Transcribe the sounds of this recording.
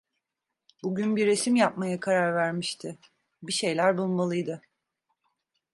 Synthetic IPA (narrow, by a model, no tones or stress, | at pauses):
buɟynbiɾe̞simjap̚majakʰaɾaɾvæɾmiʃt̪ʰɪ | biʃe̞jlʲæɾbulˠmalˠɯjd̪ɯ